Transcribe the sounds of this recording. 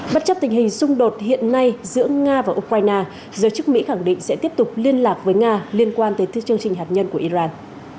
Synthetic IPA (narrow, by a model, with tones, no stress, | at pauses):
ɓa˦˥t̚t͡ɕə˦˥p̚t̪ï˨˩ŋ̟hï˨˩ŋ̟sʊ˧ŋ͡mɗo˨˩t̚hḭ˧˨ənːa˧jzɨ̰˧˥əŋaː˧vaː˨˩ʔu˧k̚waː˧jnaː˧ | zəː˨˦jt͡ɕɨ˦˥k̚mḭ˧˥xa˧˩ŋɗḭ˧˨ŋ̟sɛ̰˧˥t̪i˦˥əp̚t̪ʊ˨˩k͡p̚li˧ənlaː˨˩k̚vəː˨˦jŋaː˧li˧ənkwaː˧nt̪əː˨˦˧t͡ɕɨ˧əŋt͡ɕï˨˩ŋ̟ɦaː˨˩t̚ɲə˧nku˧˩əʔi˧zaː˧n